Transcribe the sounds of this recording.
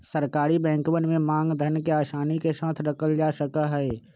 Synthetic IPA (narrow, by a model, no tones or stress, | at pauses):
səɾkaːɾibɛ̃ːŋkwənmẽmãːŋɡd̪ʱənkeaːʃaːnikeʃãːt̪ʰɾɐkəld͡ʒaːʃəkaɦɛː